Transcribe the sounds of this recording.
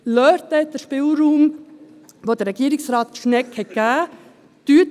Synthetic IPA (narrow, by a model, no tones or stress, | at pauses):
lœːɾt̪ɛdəʃpɪlɾuːm | ʋoːd̥əɾɛɡ̥iːɾɪksɾɑːt̪̚ʃnɛkhɛt̚ɡ̥æː | tyːt